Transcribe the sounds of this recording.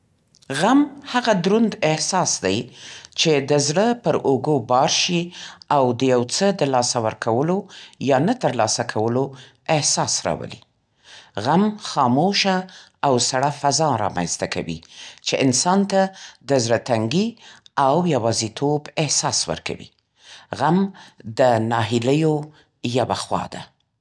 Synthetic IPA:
ɣamhaɣad̪ɾund̪ɪhsɑsd̪ajt͡ʃed̪əzɽəpəɾoɡobɑɾʃiawd̪əjawt͡səd̪əlɑsawəɾkʰawəlojɑnat̪əɾlɑsakʰawəlo | ɪhsɑsɾɑ̰wə̰lḭ | ɣamxɑmoʃa | awsaɽafazɑɾɑ̰ma̰nzt̪aka̰wḭt͡ʃeʔɪnsɑnt̪ad̪əzɽat̪aŋɡiawjawɑzit̪ʰobɪhsɑswə̰ɾka̰wḭ | ɣamd̪ənɑɦɪləjo | jawaxwɑ̰d̪a̰

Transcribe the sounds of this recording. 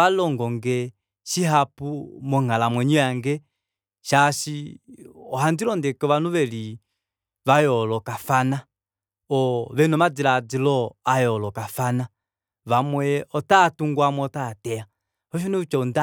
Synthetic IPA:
alɔŋɡɔŋɡɛ | ʃiɦapumɔŋalamwɛɲuaŋɡɛ | ʃaʃi | ɔɦandilɔndɛkɔβanuβɛli | ʋajɔlɔkafana | ɔβɛnɔmad͡zilad͡zilɔajɔlɔkafana | βamwɛɔtatuŋɡwamwɛɔtatɛa | hɔʃ̬ɔnɛut͡ʃɔunda

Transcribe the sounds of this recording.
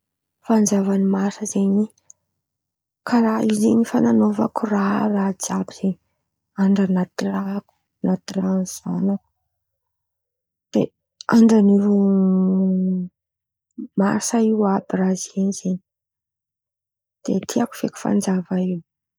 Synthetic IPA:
fand͡zavanimasəzeɲi | kʰaraizeɲifananova̰kuraɦrad͡ʒabiz̥eɲ | aɳɖ͡ʐanat̪iraku̥ | nat̪iranzanak | d̪̥ḛ | aɳɖ͡ʐaniu | ma̰saiwabirazenizeni̥ | d̪̥et̪ʰiaku̥feku̥fa̰nd͡zavaiw

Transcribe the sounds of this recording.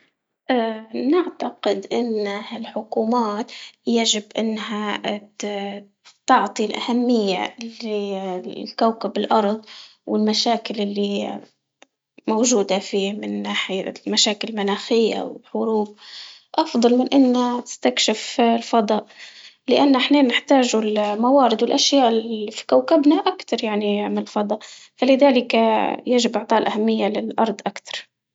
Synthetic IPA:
ʔaːnɪʕt̪aqɪd̪ʔɪnːhalħʊkuːmaːt̪jaʒɪbʔɪnːɦa | t̪ɑʕt̪ˤilʔahamːɪjːa̰li | kawkabɪlʔɑɾˤd̪ˤwɪlmaʃaːkɪlʔɪlːi | mowʒuːd̪afiːmɪnːaːħɪjalmaʃaːkɪlmanaːxɪjːa̰wɪ̰lħʊɾuːb | ʔɑfd̪ˤɑlmɪnʔɪnːat̪ɪ̥st̪akʃɪflfɑd̪ˤɑːʔ | lɪʔanːʔɪħneːnɪħt̪aːʒulmawɑːɾɪd̪wɪlʔaʃjaːʔfi̥kawkabnaʔakt̪ɑɾˤjaʕniʕmɪlfɑd̪ˤɑːʔfalɪðaːlɪkjaʒɪbʔɑʕt̪ˤɑːʔɪlʔahamːɪjːalɪlʔɑɾˤd̪ˤʔakt̪ɑ̥ɾˤ

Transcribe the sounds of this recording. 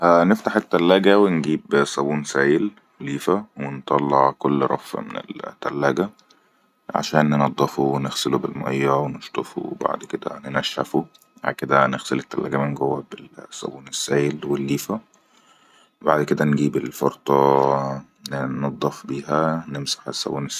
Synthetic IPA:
ʔæneft̪aħet̪ːælːæːɡæwenɡiːbsˤɑbuːnsæːjelː | iːfæwent̪ˤɑlːɑʕkolːɾˤɑ̰ffmenḛlt̪ːælːæːɡæ | ʕa̰ʃæːnːenɑd̪ˤːefuweneɣselobelmɑ̰jːɑweneʃt̪ofṵweba̰ʕd̪ked̪æ̰nenæʃːæfu | hæ̰ked̪æneɣselet̪ːælːæ̰ːɡæmenɡowːæbesˤːɑ̰buːnesːæːjelwelːiːfæ | baʕd̪ked̪ænɡiːbelfoɾt̪ˤɑ | nnɑd̪ˤːɑfbiːhænemsḁħesˤːɑ̰buːnes

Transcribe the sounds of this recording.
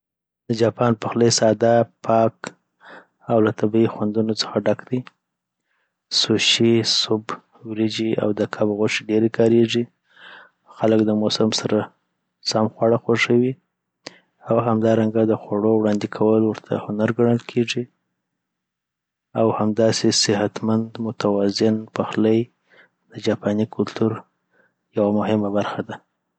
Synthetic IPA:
d̪əd͡ʒɑpɑnpəxləjsɑd̪apʰɑk | awlat̪abaixwand̪unot͡sə̥xaɖakd̪ij | suʃisʊb | wɾid͡ʒia̰wd̪akʰabɣoʂeɖeɾekʰɑɾeʐi | xaləkd̪əmosəmsaɾa | samxwɑɽaxoʂəwi | awɦamd̪ɑɾaŋɡad̪əxwaɽowɽɑnd̪ikʰawəlwʊɾt̪ʰa̰hʊnaɾɡaɳəlkʰeʐi | awhamd̪ɑsesɪɦat̪mand̪mʊt̪awɑzɪnpaxləj | d̪̥əd͡ʒɑpɑnikʰʊlt̪uɾ | jawamʊhɪmabaɾxad̪a

